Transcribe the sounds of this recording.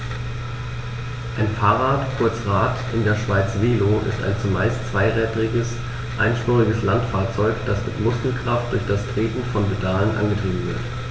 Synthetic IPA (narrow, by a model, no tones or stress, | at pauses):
ʔaɪnfaːʁaːtkʰʊɐt͡sʁaːtʔɪndeːɐʃv̥aɪt͡sv̥eːloʔɪ̰sta̰ɪnt͡sumaɪst͡sv̥aɪʁɛːtəʁɪɡəs | ʔaɪnʃpɔːʁɪɡəslantfaːɐt͡sɔʏkd̥asmɪtmʊskl̩kʁ̥aft̚d̥ʊɐçd̥astʁ̥eːtn̩fɔnbədaːlənʔa̰nɡətʁ̥iːbm̩vɪ̰ɐt